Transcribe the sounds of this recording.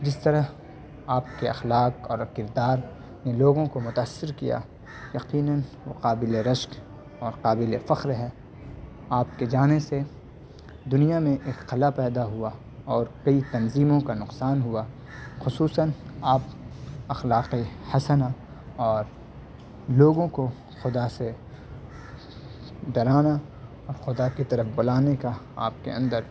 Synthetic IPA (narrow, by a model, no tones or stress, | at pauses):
d͡ʒɪst̪ɐɾəɦ | aːp̚keɐ̰xlaːqɔːɾkɪɾd̪aːɾ | neloːɡõkomʊt̪aːsːɪɾkija̰ | jɐqiːnənʋoqaːbɪleɾɐʃk | ɔːɾqaːbɪlefɐxɾɦɛː | aːp̚ked͡ʒaːnese | d̪ʊnijamẽʔeːkqɐlapɛːd̪aɦʊa | ɔːɾkɐit̪ɐnziːmõkanʊqsaːnɦʊa | xʊsuːsənaːpɐxlaːqihɐsəna | ɔːɾ | loːɡõko | xʊd̪ase | d̪ɐɾaːna | ɔːɾxʊd̪akit̪ɐɾəfbɐlaːnekaa̰ːp̚kḛɐ̃nd̪əɾ